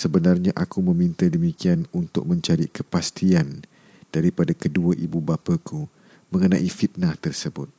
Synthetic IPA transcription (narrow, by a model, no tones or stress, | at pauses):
səbənarɲaʔakumə̃mĩnt̪adəmikianunt̪ʊ̰k̚mə̃ɲt͡ʃaɾḭkəpast̪ian | d̥aɾipadakəduaʔibubapakʰu | mə̃ŋənãʔifit̪̚naht̪ərsəbʊt̪̚